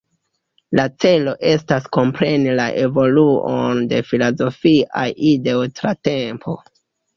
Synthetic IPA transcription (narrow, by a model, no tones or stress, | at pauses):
lat͡se̞lo̞ʔe̞stasko̞mpɾe̞nilaʔe̞vo̞luo̰nde̞filozo̞fia̰jide̞otɾate̞mpʰo̞̰